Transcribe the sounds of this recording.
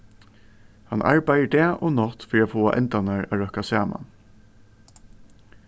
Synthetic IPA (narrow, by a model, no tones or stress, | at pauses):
hɑnʔɑ̰ɹbæɪəɖeːʔoːnɔt̪fɔɾiːoːfoːɑ̰ʔɛ̰nt̪ɑnæɹɑ̰ːɹœkɑsæːmɑ̰n